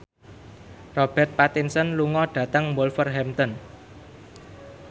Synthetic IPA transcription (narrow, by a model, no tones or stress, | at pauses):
rɔb̥ɛ̤t̪̚pat̪insənluŋɔɖ̥ä̤t̪əŋmolfərɦɛmt̪ɔn